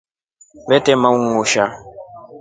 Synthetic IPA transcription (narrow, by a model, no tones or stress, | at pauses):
bɛtɛmauŋuʃa